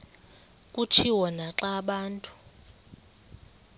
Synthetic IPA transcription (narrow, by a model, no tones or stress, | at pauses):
kʼut͡ʃʰiwɔnaǁaɓaːntʼu̥